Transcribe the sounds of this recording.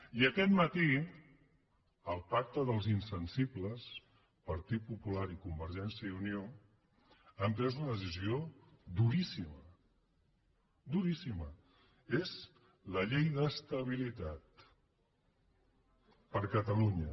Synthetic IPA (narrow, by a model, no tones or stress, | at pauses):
iəkɛt̪mət̪i | əlˠpak̚t̪əðəlˠzinsənsibləs | pəɾt̪it̪̚pupulaɾikumbəɾʒɛnsjəiunio | əmpɾɛzunəðəsiziod̪uɾisimə | d̪uɾisimə | ez | ləʎejðəst̪əβ̞ilit̪at̪ | pəɾkət̪əluɲə